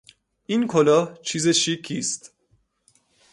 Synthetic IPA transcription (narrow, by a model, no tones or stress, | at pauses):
ʔiːnkʰolɒːht͡ʃʰiːzeʃikʰːiːst̪